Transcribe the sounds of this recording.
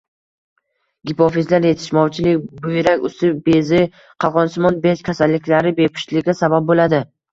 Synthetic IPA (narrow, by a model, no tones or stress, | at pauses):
ɡʲɪpʰofizlaɾjet̪ʰɪ̥ʃmɒwt͡ʃʰɪlɪkʲbʊjɪɾakʲʊst̪ɪbezɪ | qʰɑʁɒnsɪmɒnbeʃkʲʰasalːɪkʲlaɾɪbepʰʊ̥ʃlɪɡʲasabap̚bolad̪ɪ